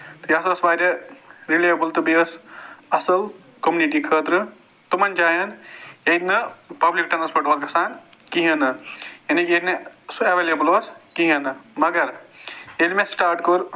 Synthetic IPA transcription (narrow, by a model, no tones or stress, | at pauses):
t̪ɨjɐsɐsʋaːɾeɾilajɐbɨlt̪ɨbiɐsɐsɐl | komuniʈikʰəːt̪ɾɨ | t̪umɐnd͡ʒaːjɐnet̪nɨpɐblik̚ʈɐnɐspɐʈʋɐɾkɐsaːn | kiɦɐnɨjɐnikeknesɐʋeːlebɨlɐskiɦɐnɨmɐɡɐɾelmẽsʈaːɾʈkoɾ